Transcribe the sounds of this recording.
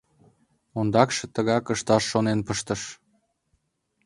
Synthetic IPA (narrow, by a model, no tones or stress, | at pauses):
ond̪ɑkʃĕt̪əɣɑkəʃt̪ɑʃːonenpəʃt̪ə̆ʃ